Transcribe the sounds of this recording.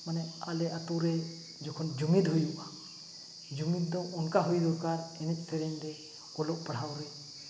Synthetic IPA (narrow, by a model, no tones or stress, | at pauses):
manɛalɛʔat̪uɾɛ | d͡ʒɔkʰɔnd͡ʒumid̪ɦujuʔa | d͡ʒuŋid̪̚d̪ɔʔɔnkaɦujd̪ɔɾkaɾɛnɛc̚ˀsɛɾɛɲd̪ɛ | kɔlɔʔpaɽ̤awɾɛ